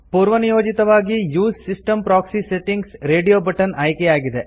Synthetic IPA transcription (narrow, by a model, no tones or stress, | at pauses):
puːɾʋɐnijoːd͡ʒit̪ɐʋaːɡijuːssisʈɐmpɾaːksiseʈiŋɡsɾeːɖijoːbɐʈɐnɐjkeaːɡid̪e